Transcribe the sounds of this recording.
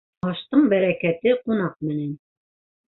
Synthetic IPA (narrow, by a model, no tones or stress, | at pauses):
ɑʃt̪ɤɴbæɾækæt̪ɘqunɑq̚mɘ̆næn